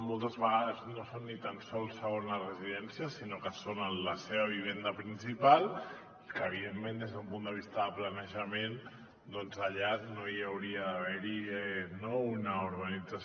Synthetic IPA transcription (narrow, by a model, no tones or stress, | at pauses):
molˠt̪əzβəɣaðəznosonːit̪ansɔlˠsːəɣonlərəziðɛnsiəsinokəsonənləseβəβ̞iβ̞end̪əpɾinsipalˠ | kəːβ̞iðemːẽnd̪ezðəumpund̪əβ̞ist̪əðəplanəʒəmen | d̪ɔnzaʎanojawɾiəðaβ̞ɛɾiɛnounəuɾɣənid͡zas